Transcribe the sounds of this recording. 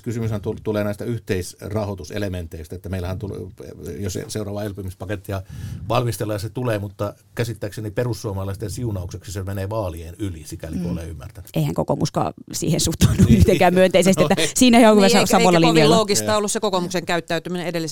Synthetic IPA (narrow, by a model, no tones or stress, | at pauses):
kysymyshænt̪ut̪uleːnæˑist̪æyht̪eisrɑhot̪usḛlement̪eist̪æet̪ːæmeilæhænt̪uljosseurɑːʋɑelpymispɑket̪ːiɑʋɑlmist̪elːɑjɑset̪uleːmut̪ːɑ | kæsit̪ːæːkseniperusːuɑmɑlɑˑist̪ensiunɑˑoukseksisemeneːʋɑːlieːnylisikælikøolḛːymːært̪æny̥eihæŋko̰ko̰muskɑ̰ːsḭːhensut̪ːunːuyht̪ekæːmmyønt̪eisest̪ietːæsiːnæheokyʋæsɑsɑʋolːɑlinjɑlːɑoːkist̪ɑːolːussekokomukseŋkæyt̪ːæyt̪ymineedelːis